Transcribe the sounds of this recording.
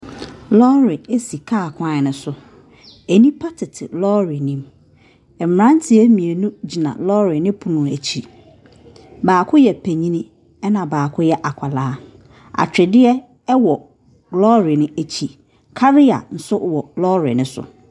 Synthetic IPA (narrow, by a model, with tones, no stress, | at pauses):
lɔ˦ɾɪ˨e˦si˨kʰaː˦˨kʰʷã˦˨nʊ̃˨sʊ˨ | e˨nĩ˦pʰa˦tʰɪ˨tʰɪ˨lɔ˦ɾi˨nĩ˦m | ɛ˨m˨ɾã˦n˦tʰɪ˨e˦mĩ˨e˨nũ˦d͡ʑi˨nã̰˨lɔ˦ɾɪ˨nɪ̃˦pʰu˨nʊ̃˨æ˨t͡ɕʰi˨ | baː˨kʰʊ˦jɛ˨pʰæ˨ɲĩ˦nĩ˦ | ɛ˦nã˨baː˨kʰʊ˦jɛ˦ʔa˨kʷʰa˨laː˦ | a̰˨t͡ɕᶣɪ˨dɪ˦ɛ˦ | ɛ˦wɔ˨ | ɡlɔ˦ɾɪ˨nɪ̃˦æ˨t͡ɕʰi˨ | kʰa˦ɾɪ˦a̰˨n̩˨sʊ˦wɔ˨lɔ˦ɾɪ̰˨nʊ̃˦sʊ̰˨